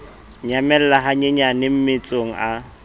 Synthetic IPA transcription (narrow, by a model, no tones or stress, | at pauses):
ɲamɛl̩laɦaɲeɲanɪm̩mɪt͡sʼoŋ̩ʔa